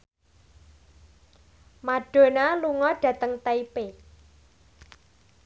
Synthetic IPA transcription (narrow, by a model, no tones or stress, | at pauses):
maɖ̥o̤naluŋɔɖ̥ä̤t̪əŋt̪aipe